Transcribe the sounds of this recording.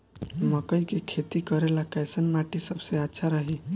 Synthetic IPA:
məkəikekʰet̪ikəɾelakɛjsənmaʈisəbseətːʃʰaɾəɦi

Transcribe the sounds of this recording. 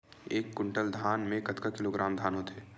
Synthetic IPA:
eːkːʊɳʈəld̪ʱaːnmẽkɐt̪kakɪloːɡɾaːmd̪ʱaːnõt̪ʰeː

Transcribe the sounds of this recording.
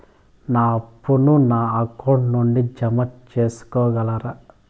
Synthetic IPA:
naːɐpːununaːɐkɐwɳʈnuɳɖid͡ʒɐmɐt͡ʃeːsu̥kɔːɡɐlɐɾɐ

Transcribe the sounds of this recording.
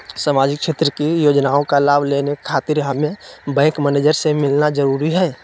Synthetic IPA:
saːmaːd͡ʒɪkʃeːt̪ɾəkijoːd͡ʒnaːõkalaːbleːnekʰaːt̪ɪɾɦəmẽbɛ̃ːŋkmɛneːd͡ʒəɾsemɪlnazəɾuːɾiɦɛː

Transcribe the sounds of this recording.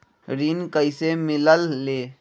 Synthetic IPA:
ɾiːnkəɪsemɪləlːeː

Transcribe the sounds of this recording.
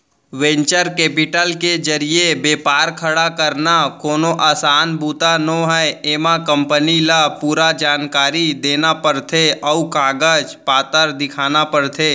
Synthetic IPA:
ʋẽːɲt͡ʃəɾkeːpɪʈəlked͡ʒəɾiebeːpaːɾkʰəɽakəɾnakoːnoʔaːsaːnbuːt̪anõɦɛeːmãkə̃mpənilapuːɾad͡ʒaːnkaːɾid̪eːnapəɾt̪ʰeɔukaːɡəd͡ʒpaːt̪əɾd̪ɪkʰaːnapəɾt̪ʰeː

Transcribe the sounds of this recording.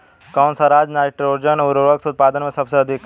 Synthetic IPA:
kawnsaɾaːd͡ʒnaːɾeʈəɾoɾd͡ʒənuɾoɾəksut̪̚paːd̪ənmẽsɐbseɐd̪ʱik

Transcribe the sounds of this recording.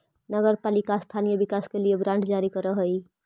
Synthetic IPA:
nəɡəɾpalikast̪ʰanijəbikaskelieɡɾãɳɖd͡ʒaɾikəɾəɦəj

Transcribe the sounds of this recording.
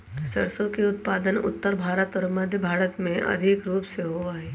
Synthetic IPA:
səɾsõkiʊt̪̚paːd̪ənʊ̰t̪ːəɾbʱaːɾət̪ɔːɾməd̪ʱjəbʱaːɾət̪mẽʔɐ̰d̪ʱɪkɾuːpseɦoaɦɛː

